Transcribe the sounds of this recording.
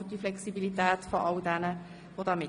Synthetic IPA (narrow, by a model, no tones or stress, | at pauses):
d̥iflɛksibilitɛːtfɔʔɑldɛnə | vod̥ɑːmɪ